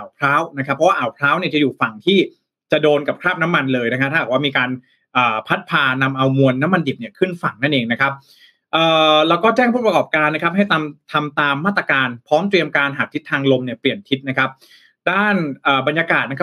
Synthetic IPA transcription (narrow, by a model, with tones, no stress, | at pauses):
ʔa˨˩wpʰɾaː˦˥wna˦˥kʰa˦pʰːɔ˦˥wa˥˩ʔaː˨˩wpʰɾaː˦˥wni˥˩ɐt͡ɕa˨juː˨˩fa˨˩ŋt̪ʰiː˥˩ | t͡ɕa˨˩doː˧nka˨˩p̚kʰɾaː˥˩p̚na˦˥mːa˧nlɤː˧jna˦˥kʰa˦˥p̚t̪ʰa˥˩aː˨˩waː˥˩miː˧kaː˧n | ʔəː˨˩pʰa˦˥t̪̚pʰaː˧na˧mʔa˧wmu˧ənːa˦˥mːa˧ndi˨˩p̚ni˥˩ɐkʰɯ˥˩nfa˨˩ŋna˥˩nʔeː˧ŋna˦˥kʰa˦˥p̚ | ʔɤː˨˩lɛː˦˥wkɔː˥˩t͡ɕɛː˥˩ŋpʰuː˥˩p̚ɾkɔː˨˩p̚kaː˧nːa˦˥kʰa˦˥p̚ɦa˥˩jt̪a˧mt̪ʰa˧mt̪aː˧mːaː˥˩t̪ɾa˧kaː˧npʰɔː˦˥mt̪ɾi˧əmkaː˧nɦaː˨˩k̚t̪ʰi˦˥t̪ʰːaː˧ŋlo˧mni˥˩əpli˨˩ənt̪ʰi˦˥t̪̚na˦˥kʰa˦˥p̚ | daː˥˩nʔəː˨˩ba˧nja˧kaː˨˩t̪̚na˥kʰa˥